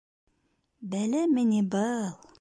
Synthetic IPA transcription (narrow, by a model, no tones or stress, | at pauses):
bælɘmɘnʲibɤlˠ